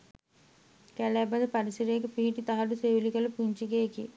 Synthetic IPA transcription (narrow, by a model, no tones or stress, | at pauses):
kælɛbɐd̪əpɐɾisiɾeekəpiɦiʈit̪aɦɐɖuseʋilikɐlɐpuɲt͡ʃiɡeːki